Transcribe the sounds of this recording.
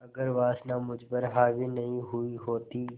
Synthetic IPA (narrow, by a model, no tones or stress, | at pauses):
ɐɡəɾʋaːsnamʊd͡ʒbəɾɦaːʋinɐɦĩɦʊiɦoːt̪iː